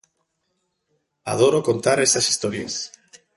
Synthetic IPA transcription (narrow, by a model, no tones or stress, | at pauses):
a̰ð̞oɾokont̪aɾest̪asi̥st̪oɾjḛs